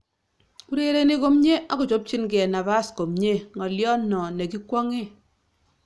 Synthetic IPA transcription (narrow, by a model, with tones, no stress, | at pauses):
u˦ɾe˦ɾe˦ni˦ko˦mɲe˦ʔa˦kʊ˨t͡ʃo˨˦p̚t͡ʃi˦nk̬ɛ˨na˨ba˦sko˨mɲe˦ŋɔ˨ljɔ˦nːɔ˨ne˨ki˦kwɔ˦ŋe˦˨